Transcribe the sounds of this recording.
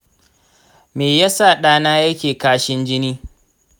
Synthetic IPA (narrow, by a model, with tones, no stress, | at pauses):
meː˨ja˦sa˦˨ɗaː˦naː˦jɐ˦kʲeː˨kaː˦ʃɪ˦nd͡ʒɪ˦niː˦